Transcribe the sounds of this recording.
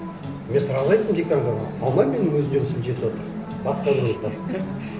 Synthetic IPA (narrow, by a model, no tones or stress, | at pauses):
mʲensəɾɑlˠɑjt̪ːəmd̪ekʲaŋɡɑmʁɑ̰ɑlˠmɑjmʲenwɵzɪnd̪esɪnʒe̞t̪wot̪əɾ | bɑsqɑd̪uot̪ɑ